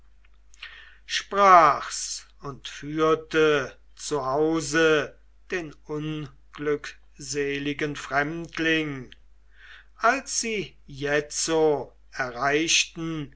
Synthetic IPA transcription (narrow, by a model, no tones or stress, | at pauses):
ʃpʁaːxs | ʊntfyːɐtə | t͡suɦaʊzə | d̥eːnʊn | ɡ̥lʏk | zeːlɪɡənfʁ̥ɛmtʰlɪŋ | ʔalsz̥iː | jɛt͡so | ɛɐʁaɪʃtn̩